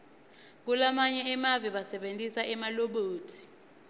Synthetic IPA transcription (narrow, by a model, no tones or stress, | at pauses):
k̬ulamaɲɛɛmaviɓasɛɓentʼisaʔɛmaloɓoːtʰi̥